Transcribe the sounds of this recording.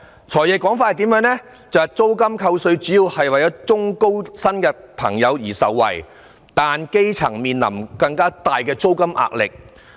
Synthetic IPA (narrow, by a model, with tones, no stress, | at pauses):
t͡ʃʰɔː˨˩jɛː˨˩kːɔː˨˥ŋfaː˧thɐ˨jt̪i˨˥mjœː˨˧˥ŋnɛ˥ | t͡sɐ˨whɛ˨t͡so˥wkɐ˥mkʰɐ˧wsɵ˨˧ɥt͡syː˨˥jiː˨˧whɐ˨jwɐ˨jɔː˨˥t͡sʊ˥ŋko˥wsɐ˥nkɛː˧pʰɐ̰˨˩ŋjɐ˨˧wjiː˨˩sɐ̰˨wːɐ̰˨˩j | t̪aː˨nke˥jt͡sʰɐ̰˨˩ŋmiː˨nlɐ̰˨˩mkɐ˧ŋkaː˥t̪aː˨jkɛː˧t͡so˥wkɐ˥mʔa̰ː˧˨k̚lɪ̰˨k̚